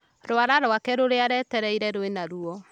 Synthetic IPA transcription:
ɾoaɾaɾoakɛɾoɾeaɾɛtɛɾɛiɾɛɾoenaɾuɔ

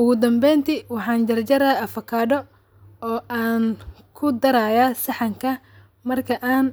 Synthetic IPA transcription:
ʔʊɣʊd̪ɐmbɛjnt̪ʰiwɑħɑːnd͡ʒɐrt͡ʃɐɾɐɐfɐkʰaːɖɔ | ɔːʔaːnkʰʊd̪ɐɾaːjaːsɑħɑŋkʰɐ | mɐrkʰɐʔaːn

